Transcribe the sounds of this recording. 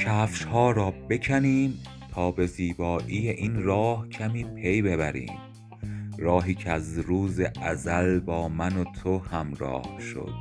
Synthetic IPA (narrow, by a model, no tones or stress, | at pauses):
cʰæːfʃhɒːɾɒːbe̞cʰæniːm | t̪ʰɒːbe̞ziːbɒːʔiːjeʔinrɒːhcʰæmiːpʰe̞jbe̞βæ̰ɾḭːm | ɾɒːɦiːcʰeæzɾuːzeʔæzælbɒːmænot̪ʰohæmɾɒ̰ːhʃo̰d̪̥